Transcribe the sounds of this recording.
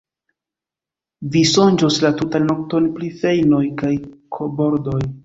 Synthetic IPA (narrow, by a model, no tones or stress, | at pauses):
viso̞nd͡ʒoslatutalno̞k̚tonpɾife̞jno̞jkajkʰobo̞ɾdo̞j